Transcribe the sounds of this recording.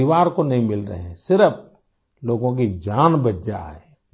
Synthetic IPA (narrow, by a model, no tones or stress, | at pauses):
ɪʋaːɾkonɐɦĩmɪlɾɐ̰ɦẽsɪɾəf | loːɡõk̬id͡ʒaːnbətd͡ʒa̰ɦɛː